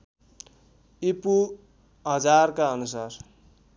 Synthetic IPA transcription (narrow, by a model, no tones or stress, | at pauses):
ipu | ɦʌd͡zarkaʌnusar